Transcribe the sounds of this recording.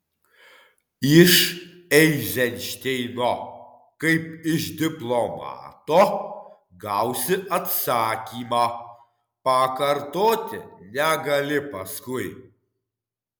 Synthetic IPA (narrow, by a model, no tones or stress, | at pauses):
ɪʃ | ɛɪzʲɛnʲʃʲt̪ʲɛɪnoː | kɐɪpɪʃd̪ʲɪplˠɔmɑ̰ːt̪oː | ɡɐʊsʲɪʔɐt̪sɑːkʲiːmɑː | pɐkɐɾt̪oːt̪ʲɪ̰nʲɛɡɐlʲɪpɐskʊɪ